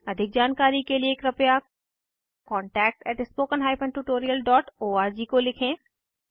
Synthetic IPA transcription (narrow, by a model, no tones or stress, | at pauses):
ɐd̪ʱɪk̚d͡ʒaːnkaːɾikelieːkɾɐpja | kɔ̃ːɳʈɛːk̚ʈɛːʈɪspoːkənɦaːɪpʰə̃nʈuːʈoːɾijəlɖɔːʈoːaːɾd͡ʒikolɪkʰẽː